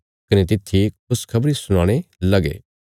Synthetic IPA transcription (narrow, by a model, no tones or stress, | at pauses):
kɐnet̪̬ɪt̪ʰːikʊskʰɐbɾisʊɽ̃aːɽ̃elɐɡḛː